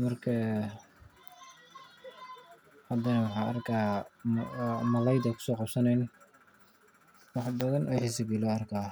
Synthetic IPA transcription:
mɐrkʰɐ | hɐd̪ɐnɐwɑħɑːɐrkʰaː | mɐlɛjd̪ɐkʰʊ̥sɔːqɑbsɐnɛjn | wɑħd̪ɐðɐnʔɛjħɪs̬ɪbilɔːɐrkʰaː

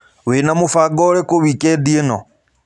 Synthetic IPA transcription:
wenamufaɡɔɾɛkoβikɛdienɔ̰

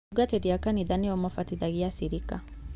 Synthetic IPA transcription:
uɡatɛdiakaniðaniɔmɔfatiðaɣiasiɾika

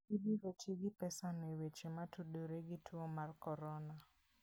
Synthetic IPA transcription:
idiɾet͡ʃeɡɪpɛsanewet͡ʃematʰudoɾeɡɪtʰuomarkɔɾɔna

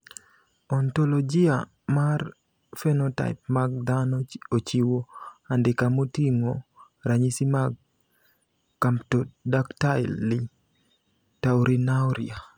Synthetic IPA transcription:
ɔntolɔd͡ʒia | mar | fɛnɔta̰ɪp̚maɡ̚d̪anɔot͡ʃiwoandɪkamotiŋo | ɾaɲisimaɡ | kamptodaktaɪlːi | tawɾinawɾḭa

